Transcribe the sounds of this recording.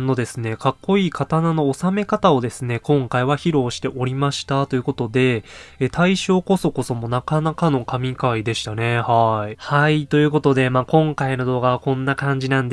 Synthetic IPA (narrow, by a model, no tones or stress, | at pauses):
nːo̞d̪e̞sɨne̞kakːo̞iːkat̪anano̞ːsame̞kat̪ao̞d̪e̞sɨne̞kõ̞ŋkaiβaçiɾo̞ːɕi̥t̪e̞ʔo̞ɾʲimaɕi̥t̪at̪o̞jɯ̟ko̞t̪o̞d̪e̞ːt̪ʰaiɕo̞ːko̞so̞ko̞so̞mo̞nakanakano̞kamʲikaid̪e̞ɕi̥t̪ane̞haihait̪o̞jɯ̟ːko̞t̪o̞d̪e̞maːkõ̞ŋkaino̞d̪o̞ːɡaβakõ̞nːakãɲ̟d͡ʑinãnd̪